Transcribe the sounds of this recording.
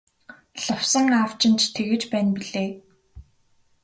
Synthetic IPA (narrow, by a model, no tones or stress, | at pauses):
ɮʊwsə̆ŋawt͡ɕɪ̆nt͡ɕt̪ʰeɣɘ̆t͡ɕpæːnpiɮeː